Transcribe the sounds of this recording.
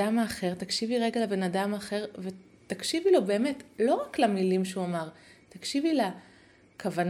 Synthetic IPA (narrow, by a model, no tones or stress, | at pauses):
amaːχe̞ʁt̪akʃiviʁeɡalebe̞nadamaːχe̞ʁve̞ | t̪akʃivilo̞be̞ːme̞tlo̞ʁaklamilimʃeuamaʁtakʃivila | kʰavan